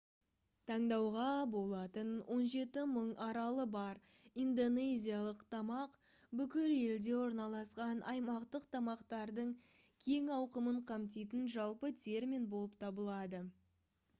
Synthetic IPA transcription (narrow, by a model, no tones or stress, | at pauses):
t̪ʰɑɴd̪ɑwʁɑbo̞lˠɑt̪ənwʔo̞nʒe̞t̪ɪməɴɑɾɑlˠəbɑɾind̪o̞ne̞zʲijalˠəqt̪ʰɑmɑq | bʏkʲɪle̞ld̪e̞wo̞ɾnɑlˠɑsqɑnɑ̰jmɑqt̪əqt̪ʰɑmɑqt̪ɑɾd̪əɴ | kʲʰe̞ŋɑwqəməɴqʰɑmt̪ijt̪̬ɪnʒɑlˠpət̪ʲʰe̞ɾminbo̞lˠəpt̪ʰɑbəlˠɑd̪ə